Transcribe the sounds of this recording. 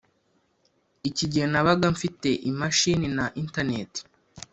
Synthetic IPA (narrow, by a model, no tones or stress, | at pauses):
iciɟihenaβaɡaɱfite̞ʔimaʃininaʔintane̞ti̥